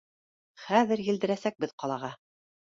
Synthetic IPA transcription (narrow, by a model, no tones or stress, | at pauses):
χæðɘɾjɘ̆ld̪ɘ̆ɾæsæk̚bɘðqɑlˠɑʁɑ